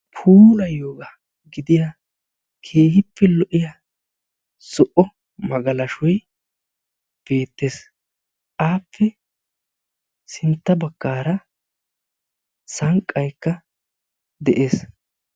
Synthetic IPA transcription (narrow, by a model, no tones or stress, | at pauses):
pʰuːlɐjoːɡɐ | ɡɪd̪ɪja | kʰeːhɪpːɛlɔʔɪja | sɔʔɔ | mɐɡɐlɐʃɔj | b̥e̞ːt̪ːe̞ːs | ʔaːpːɛ | sɪnt̪ːɐbɐkːaːɾɐ | sɐŋkʼːɐjkːɐ | d̪ɛʔe̞ːs